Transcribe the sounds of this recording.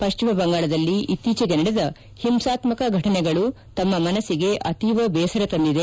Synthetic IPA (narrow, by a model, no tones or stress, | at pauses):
pɐʃt͡ʃimɐbɐŋɡaːɭɐd̪ɐlːiit̪ːiːt͡ʃɐɡenɐɽed̪ɐ | himsaːt̪mɐkɐɡʱɐʈɐnɛɡɐɭu | t̪ɐmːɐmɐnɐsiɡe̞ʔɐt̪iʋɐbɛːsɐɾɐt̪ɐnd̪id̪e